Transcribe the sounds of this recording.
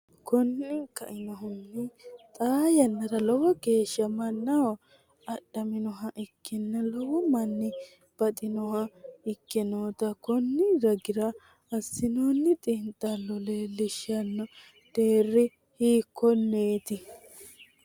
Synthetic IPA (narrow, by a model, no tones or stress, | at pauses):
kɔnːɪkɐ̰ʔɪnɔɦʊnːɪt̪ʼaːjɐnːɐdɐlɔwɔɡe̞ːʃːɐmɐnːɐw | ɐɗɐmɪnɔɦɐʔɪkʰːɪnːɐlɔwɔmɐnːɪ | b̥ɐt̪ʼɪnɔɦɐɪkːɛnoːt̪ɐkɔnːɪɾɐɡɪɾɐ | ɐsːɪnonːɪt̪ʼɪnt̪ʼːɐlɔlelɪʃɐnːɔ | d̪̥eːrːɪ | hiːkʰːɔnːeːt̪ɪ